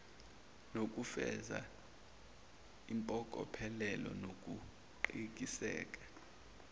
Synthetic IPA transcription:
nok̬ʼufɛza̰ | impʼɔkʼɔ̰pʰɛlɛlɔ̰nok̬ʼu | ǃik̬ʼisɛ̰ːkʼḁ

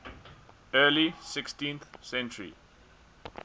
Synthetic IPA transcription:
ɛːlisɪkstĩnθsɛ̃nt͡ʃəɹḭ

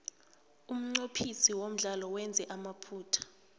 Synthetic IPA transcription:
um̩ŋ͡ǀopʰisiwom̩ɮalɔwɛnd͡zʱɛʔamapʰuːtʰḁ

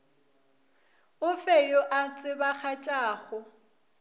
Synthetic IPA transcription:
ʊfɛjoʔat͡sʼɪbaχat͡ʃʼaːɣɔ

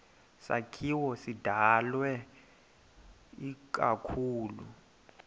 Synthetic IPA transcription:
sa̰kʰiwɔsidʱalwɛ | ik̬ʼakʰuːlu

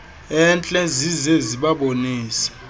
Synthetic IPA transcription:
ɛnt͡ɬʼɛzizɛziɓaɓoniːsḁ

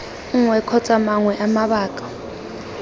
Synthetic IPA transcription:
ŋwɛkʰɔt͡sʼamaŋwɛʔamaɓaːkʼḁ

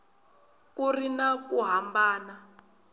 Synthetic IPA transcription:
kurinakuɦambaːna

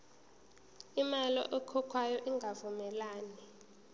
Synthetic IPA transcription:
imalɔ̰ʔɛkʰɔkʰwajɔʔiŋɡʱavumɛlaːni

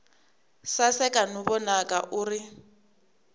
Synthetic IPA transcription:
sasɛkʼanuβɔnakʼaʔuːri

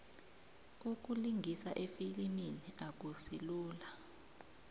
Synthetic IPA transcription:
uk̬ʼuliŋɡʱisaʔefiliminiak̬usiluːla

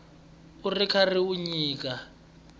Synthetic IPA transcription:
urikʰariwuɲiːk̬ʼa

